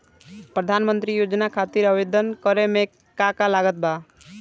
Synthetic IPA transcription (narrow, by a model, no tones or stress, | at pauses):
pɾəd̪ʱanmənt̪ɾijod͡ʒnakʰat̪iɾəbed̪ʱənkəɾemẽ | kakalaɡət̪̚ba